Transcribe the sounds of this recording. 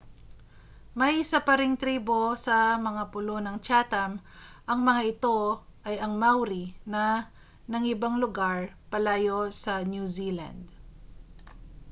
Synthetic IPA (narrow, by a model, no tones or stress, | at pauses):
mɐjsapɐɾɪŋt̪ɾiːbo̞sɐmɐŋapʊlo̞nɐŋt͡ʃaːt̪ɐmʔɐŋmɐŋaʔɪt̪o̞ʔɐjɐŋmawɾinɐ | nɐŋʔɪbaŋlʊɡaɹpɐlaːjo̞sɐnjuzila̰nd̪